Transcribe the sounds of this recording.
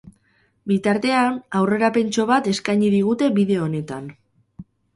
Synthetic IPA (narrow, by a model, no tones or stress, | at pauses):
bit̪aɾt̪e̞anawre̞ɾape̞nt͡ʃo̞β̞at̪e̞skajɲiðiɣ̞ut̪e̞biðe̞o̞ne̞t̪an